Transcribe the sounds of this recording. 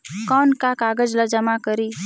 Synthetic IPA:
kɔnkakaɡəd͡ʒləd͡ʒəmakəɾi

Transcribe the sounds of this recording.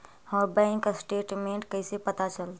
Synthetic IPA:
ɔːɾbɛ̃ːŋksʈeːʈmẽːɳʈkəisepət̪at͡ʃəlt̪ː

